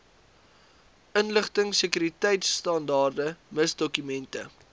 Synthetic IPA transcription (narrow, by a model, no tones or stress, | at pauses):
ənləχtəŋsəkyɾitɛjtsːtɑndɑːrdəməsdɔkymɛntə